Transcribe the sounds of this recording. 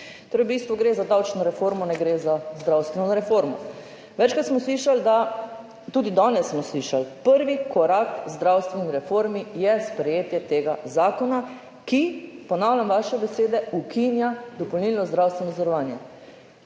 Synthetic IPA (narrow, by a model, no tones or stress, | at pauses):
t̪oːɾɛubiːst̪ʋɔɡɾeːzad̪awt͡ʃnɔɾɛfoːɾmɔnɛɡɾeːzazd̪ɾawst̪ʋɛnɔɾɛfoɾmɔ | ʋɛt͡ʃkat̪smɔsliːʃald̪a | t̪uːd̪id̪ɔːnɛsːmɔsliʃalpəɾʋikʰɔɾakzd̪ɾawst̪ʋɛniɾɛfoɾmijɛspɾɛjeːt̪jɛt̪eːɡazaːkɔna | kipɔnaːwljamʋaʃɛbɛseːd̪ɛukʰinjad̪ɔpɔwniːlnɔzd̪ɾawst̪ʋɛnɔzɔɾɔʋaːnjɛ